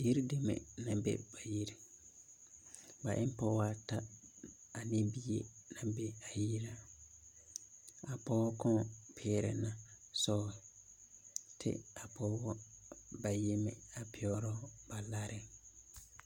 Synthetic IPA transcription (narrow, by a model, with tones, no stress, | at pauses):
ji˦ɾde˨mḛ˨nã˨bḛ˦ba˨ji˦ɾi˨ | ba˨ʔɪ˦m˦pɔ˦wa˦tʰa˦a˨ne˦bi˦je˦nã˨be˦a˨ji˦ɾa˦ | a˨pɔ˦wɔ˦kʰɔ̃˦pʰɪ˦ɾɛ̰˨nã˨ | sɔ˦˨ | tʰɪ̰˦a˨pʰɔ˦wɔ˦ba˨je˦mḛ˨a˨pʰɪ˦ɔ˦ɾɔ˦ba˨la˦ɾʔɪ˨